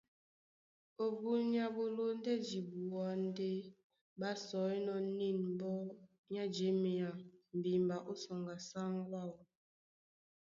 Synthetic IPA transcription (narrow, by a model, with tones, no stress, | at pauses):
o˨bu˨ɲa˨bo˨lo˦n˦dɛ˦d͡ʒi˨bu˨a˨˦n˦de˦ | ba˦sɔ˨˦nɔ˦ni˦˨nm˦bɔ˦ | ɲa˦d͡ʒe˦mi˨a˨m̩˨bi˨mba˨ʔo˦sɔ˨ŋɡa˨sa˦ŋwa˦˨w